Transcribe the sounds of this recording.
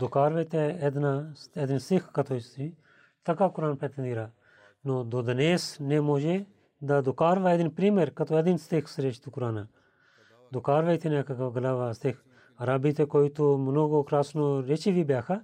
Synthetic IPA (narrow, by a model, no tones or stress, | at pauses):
d̪okaːɾʋəjt̪eɛd̪nased̪ɪnst̪ɪkʰkːɐt̪ʰoːst̪i | t̪ɐkaːkʊɾaːnpɛːt̪end̪iɾaː | noːd̪oːd̪ɐneːsneːmoːd͡ʒe | d̪ad̪okaːɾʋaːed̪ɪnpɾiːmeɾkɐt̪oed̪inst̪ekʰsəɾeːʃt̪ukʊɾaːnaː | d̪okaːɾʋəjt̪enekɐkaɡəlaːʋaːst̪ik | ɐɾaːbiːt̪ekoːit̪omənoːɡoːkɾaːsnoɾet͡ʃiːʋiːbjaːkʰa